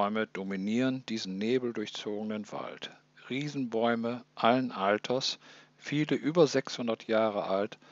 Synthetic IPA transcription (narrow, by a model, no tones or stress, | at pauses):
ʏməd̥ominiːʁənd̥iːzn̩neːbl̩dʊɐçt͡soːɡənənva̰lt | ʁiːzn̩bɔʏməʔalənʔaltʰɐs | fiːləʔyːbɐzɛkshʊndɐtʰjaːʁəʔalt